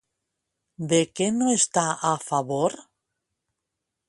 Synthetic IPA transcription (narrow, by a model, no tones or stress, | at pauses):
d̪ekenoest̪aafaβoɾ